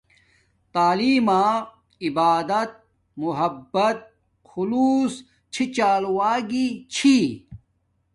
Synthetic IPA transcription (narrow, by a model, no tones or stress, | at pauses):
t̪aːliːmaː | ibaːd̪ɐt̪̚ | muɦɐbːɐt̪̚ | xuluːs | t͡ɕʰit͡ɕaːlwaːɡit͡ɕʰi